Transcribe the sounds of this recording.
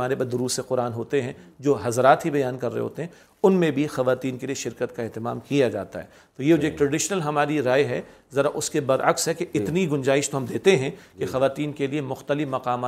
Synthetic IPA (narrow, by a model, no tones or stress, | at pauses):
aːnepɐd̪ʊɾuːseqʊɾaːnɦoːt̪eɦɛ̃d͡ʒoːɦɐzɾaːt̪ɦibɐjaːnkɐɾːə̰ɦḛɦo̰ːt̪eɦɛ̃ | ʊnmẽbʱixɐʋaːt̪iːnkelieʃɪɾkət̪kaɛɦt̪ɪma̰ːmkijad͡ʒa̰ːt̪a̰ɦɛ̰ | t̪oːjed͡ʒeːk̚ʈɾɐɖɪʃnəlɦɐmaːɾiɾaːjɦɛ | zɐɾaʔʊskebɐɾʔɐksɦɛkeʔɪt̪niɡʊ̃nd͡ʒaːɪʃt̪oɦɐmd̪eːt̪eɦɛ̃kexɐʋaːt̪iːnkeliemʊxt̪əlɪfmɐqaːmaː